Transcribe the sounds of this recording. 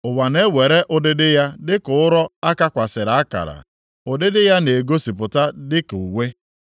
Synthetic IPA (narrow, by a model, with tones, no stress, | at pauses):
ʊ˨wa˨ne˦we˨ɾe˦ʔʊ˦dɪ˦dɪ˦ja˦dɪ˦kʊ˨˦ʊ˦ɾɔ˦a˦ka˦kʷa˨sɪ˨ɾa˨a˦ka̰˨ɾa̰˨ | ʊ˨dɪ˦dɪ˦ja˦ne˨ɡo˦si˨pʊ˨ta˦dɪ˦ku˨we˦